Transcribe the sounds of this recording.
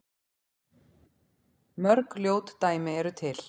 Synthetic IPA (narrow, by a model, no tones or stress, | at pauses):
mœɾkljoːwt̪ːaːjmɪɛɾʏt̪ʰɪl̥